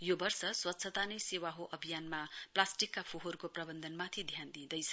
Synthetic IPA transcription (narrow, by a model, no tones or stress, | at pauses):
jobʌrsʌswʌt̪ːsʰʌt̪anʌjsewaɦoʔʌbʱijanmaplasʈikːapʰoɦoɾukoprʌbʌnd̪ʱʌnmat̪ʰid̪ʱjand̪ĩd̪ʌjt͡sʰʌ̥